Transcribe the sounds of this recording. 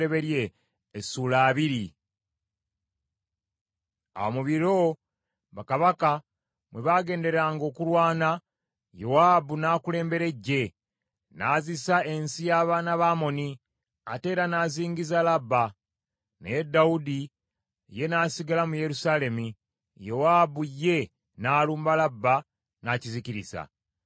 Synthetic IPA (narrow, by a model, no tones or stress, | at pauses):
e̞βe̞ɾje̞ː | suːlaːβiɾi | a̰omuβiɾo̞ | βakaβaka | mwe̞βaːɡe̞ːnde̞ɾaːŋɡo̞ːkuɾwaːna | jo̞waːbunaːkule̞ːmbe̞ɾe̞ɟːe̞ | naːzisae̞nsijaːβaːnaβaːmo̞ni | a̰te̞ːɾanaːziːŋɡizalabːa | needːaudi | je̞naːsiɡalamuje̞ɾusaːle̞mu | jo̞waːbujːe̞ | naːluːmbalabːa | naciziciɾḭsa̰